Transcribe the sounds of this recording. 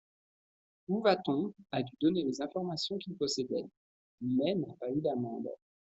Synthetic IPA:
uvat̪ɔ̃ad̪yd̪ɔnelezɛ̃fɔʁmasjɔ̃kʲilpɔsed̪ɛ | mɛnapayd̪amɑ̰̃d̪

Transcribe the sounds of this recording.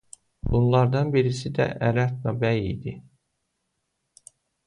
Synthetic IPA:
bunlˠɑɾd̪ɑnbiɾisid̪æ̰ʔæɾæt̪̚nɑbæjḭjd̪i

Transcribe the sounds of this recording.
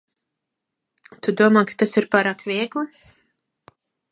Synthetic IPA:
t̪ud̪uɔmaːkḁt̪asiɾpaːɾaːkvʲiɛɡlˠɨ

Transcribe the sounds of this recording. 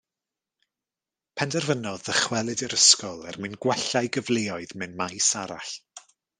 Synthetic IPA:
pʰɛndɛrvənɔðəχwɛlˠɨdɪɾəskɔlˠɛ̰rmɨnɡwɛɬajɡəvleːɔɨðmɨnmajsaɾa̰ɬ

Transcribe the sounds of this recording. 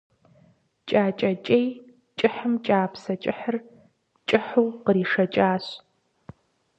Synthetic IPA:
t͡ʃʼaːt͡ʃʼɐt͡ʃʼej | t͡ʃʼɪħɨmt͡ʃʼaːpsɐt͡ʃʼɪħər | t͡ʃʼɪħuwqəɾiːʂɐt͡ʃʼaːɕ

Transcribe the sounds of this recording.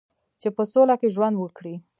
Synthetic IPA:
t͡ʃepəsolakeʒwand̪wəkɽi

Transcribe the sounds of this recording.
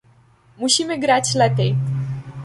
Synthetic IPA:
muɕimɘɡɾat͡ɕlɛpʲɛj

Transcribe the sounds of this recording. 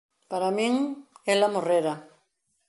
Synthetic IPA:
paɾamĩŋelamoreɾa

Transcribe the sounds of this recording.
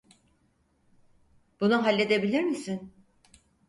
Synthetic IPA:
b̥unuɦalʲːe̞d̪e̞bilʲiɾmisin

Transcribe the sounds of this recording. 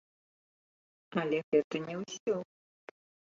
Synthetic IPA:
ɐlʲɛɣɛt̪ɐnʲɛwsʲɔ

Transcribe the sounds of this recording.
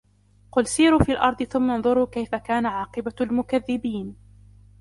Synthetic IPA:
qʊlsiːɾuːfiːalʔɑɾˤd̪ˤɨθʊmːanðˤʊɾuːkajfakaːnaʕɑːqɨbalmʊkaðːɪbiːn

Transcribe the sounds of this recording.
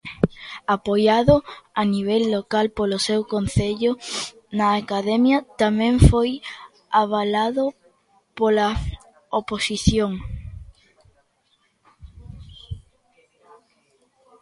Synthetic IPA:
apojaðʊaniβ̞elːokalpolosewkonθeʎo | naːkaðemjɐt̪amẽɱfoj | aβ̞alaðo | pola | oposiθjoŋ

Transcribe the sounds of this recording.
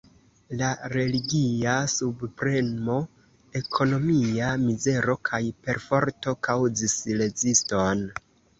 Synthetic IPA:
laɾe̞liɡiasubpɾe̞mo̞ | e̞kʰo̞no̞miamize̞ɾo̞kʰajpe̞ɾfo̞ɾto̞kawzisle̞zisto̞n

